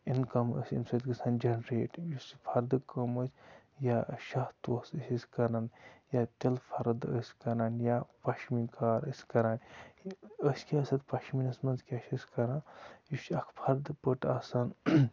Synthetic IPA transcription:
inkɐmə̰sʲḭmsɐt̪ɡɨsʰaːnd͡ʒɐnɾeːʈjusipʰɐɾd̪ɨkɐməsʲ | jaʃaht̪uɐsəsʲisʲkɐɾanjat̪ilpʰɐɾd̪ə̰sʲkɐɾaːnjapɐʃmikaːɾəsʲkɐɾaːn | əsʲkiɐsɐt̪pɐʃminɐsmɐnzkʲɐʃɐsʲkɐɾanjusɐkʰpʰɐɾd̪ɨpəʈaːsan

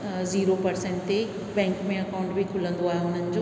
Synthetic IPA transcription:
ziːɾopɐɾsẽːɳʈt̪e | bɛ̃ːŋkmẽɐkaːʊ̃ɳʈbʱikʰʊlə̃nd̪oaːɦeɦʊn̤ənɪ̆d͡ʑoː

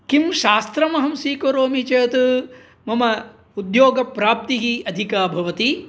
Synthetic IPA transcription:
kimʃaːst̪ɾɐmɐɦɐmsiːkoɾoːmit͡ʃɐjɐt̪u | mɐmɐ | ud̪joːɡɐpɾaːp̚t̪iɦiɐd̪ʱikaːbʱɐʋɐt̪i

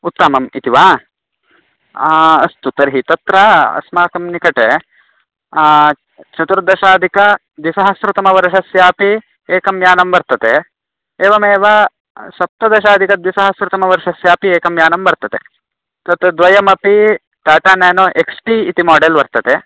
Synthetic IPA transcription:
ut̪ːɐmɐmit̪iʋaː | ɐst̪ut̪ɐɾɦit̪ɐt̪ɾɐɐ̰smaːkɐmnikɐʈe | t͡ʃɐt̪uɾd̪ɐʃaːd̪ʱikɐ | d̪ʋisɐɦɐsɾɐt̪ɐmɐʋɐɾɐʃɐsjaːpi | eːkɐmjaːnɐmbɐɾt̪ɐt̪e | eːʋɐmeːʋɐ | ʃɐp̚t̪ɐd̪ɐʃaːd̪ʱikɐd̪ʋisɐɦɐsɾɐt̪ɐmɐʋɐɾʃɐsjaːpieːkɐmjaːnɐmbɐɾt̪ɐt̪e | t̪ɐt̪ɾɐd̪ʋɐjɐmɐpi | t̪aːʈaːneːnoʔeksʈiːt̪imaːɖelʋɐɾt̪ɐt̪e

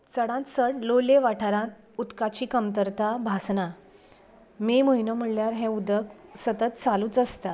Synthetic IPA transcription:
t͡səɽãt̪səɽloleʋaʈʰaɾãt̪̚ | ut̪kat͡ɕiːkəmt̪əɾt̪abʱasna | meməɦinəm̤əɭljaɾɦɛ̃ud̪əksət̪ət̪t͡saluːt͡səst̪a

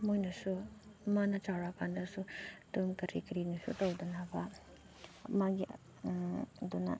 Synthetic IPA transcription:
mojnɐsumanɐt͡ʃawɾakʰandɐsutuŋkɐɾikɐɾinisṵtɐwdɐnabɐ | maɡi | dunɐ̰

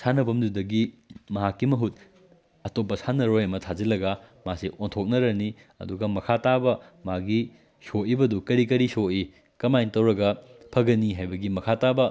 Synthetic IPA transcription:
sʰanɐbɐmdudɐɡimɐɦakːimɐɦut̚ | ɐtop̬ːɐsanɐɾojɐmɐtʰazɐlɐɡɐmaseʔontʰok̚nɐɾɐni | ɐ̰duɡɐmɐkʰatabɐmaɡi | soibɐdukɐɾik̬ɐɾisoi | kɐmajntɐwɾɐɡɐpʰɐɡɐniɦajbɐɡimɐkʰatabɐ

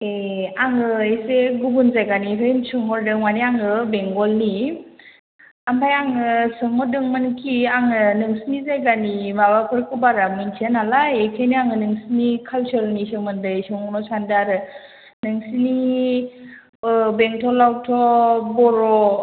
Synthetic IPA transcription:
eaŋɯeseɡubunzajɡaniɦɯjnsɯŋɔɾdɯŋmaniaŋɯbeŋɡɔlni | ampʰajaŋɯsɯŋmɔdɯŋmɯnkʰiaŋɯnɯŋsinizajɡanimabakʰɯɾkɯbaɾamɯntʰenalaekʰejniaŋɯnɯŋsinikʰalsɯɾnisɯŋmɯndɯsɯŋɔnɔsandaɾɯ | nɯŋsini | beŋtʰɔlawtʰɔbɔɾɔ

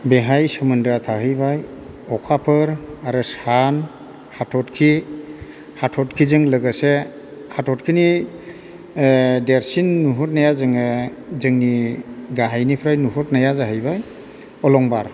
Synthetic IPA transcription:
beɦajsɯmɯndɾatʰaɦɯjbaj | ɔkʰapʰɯɾaɾɯsan | hatʰɔtkʰi | hatʰɔt̚kʰizɯŋləɡase | hatʰɔtkʰini | deɾsinːuɦɔt̚najazɯŋɯzɯŋniɡaɦajnipʰɾajnuɦɔt̚najazaɦɯjbaj | ɔlɔŋbaɾ

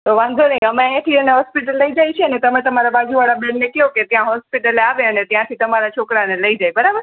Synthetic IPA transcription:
t̪oʋãŋɡonəiəmẽẽt̪ʰiəneɦɔspiʈəlːəid͡ʒajt͡ʃʰeənet̪əmẽt̪əmaɾabad͡ʒuʋaɭabẽɳnekiɦõket̪jãɦɔspiʈəleaʋẽənet̪jãt̪ʰit̪əmaɾat͡ʃʰokɾaneləid͡ʒajbəɾabəɾ

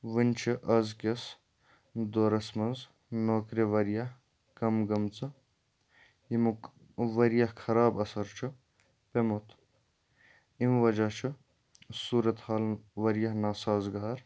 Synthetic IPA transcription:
ʋɨnt͡ʃʰiʔɐzkes | d̪oːɾɐsmɐnz | noːkɾiʋɐɾjɐh | kɐmɡɐmt͡sɨ | im | ʋɐɾjɐhkʰɐɾaːbɐsɐɾt͡ʃʰɨ | pemot̪ | imʋɐd͡ʒaːt͡ʃʰɨ | suːɾɐt̪haːlʋɐɾjɐɦnaːsaːzɡaːɾ

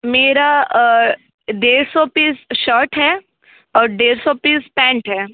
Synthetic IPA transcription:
meːɾa | ɖeːɾsɔpiːsʃəːɾʈɦɛː | ɔːɾɖeːɾsɔpiːspɛ̃ːɳʈɦɛː

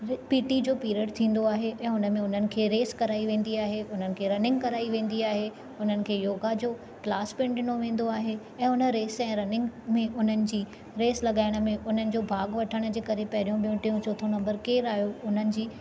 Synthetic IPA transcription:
piːʈid͡ʑoːpiːɾəɖt̪ʰĩːn̆d̪oaːɦeʔɛ̃ːʊnə̆mẽʊn̤ənɪ̆kʰeːɾeːskɐɾaːiʋẽːn̆d̪iaːɦeʊn̤ənɪ̆kʰeːɾɐnɪ̃ŋɡkɐɾaːiʋẽːn̆d̪iaːɦe | ʊn̤ənɪ̆kʰeːjoːɡad͡ʑoː | klaːspɪ̃ɳɖɪnoʋẽːn̆d̪oaːɦe | ɛ̃ːʊnə̆ɾeːsɛ̃ːɾɐnɪ̃ŋɡmẽʔʊn̤ənɪ̆d͡ʑiː | ɾeːslɐɠaːɪɽ̃̆mẽʔʊn̤ənɪ̆d͡ʑoːbʱaːɡʋɐʈʰəɽ̃d͡ʑeːkɐɾepɐɦɪɾijũɓijũʈijũt͡ɕoːt̪ʰonɐ̃mbəɾkeːɾaːjoʊn̤ənɪ̆d͡ʑiː

